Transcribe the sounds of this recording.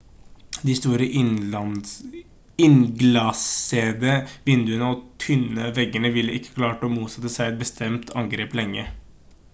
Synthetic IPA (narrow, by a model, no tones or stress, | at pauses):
d̪ɪst̪uːɾəʔ | ɪnɡlɑseːd̪əʋɪnd̪ʉənəɔt̪ʰʏnəʋɛɡənəʋɪlːəʔɪkːə̥kʰlɑːʈəɔmuːt̪sɛt̪ːəsæɪɛt̪̚bəst̪ʰɛmt̪ʰɑŋɡɾeːplɛŋːə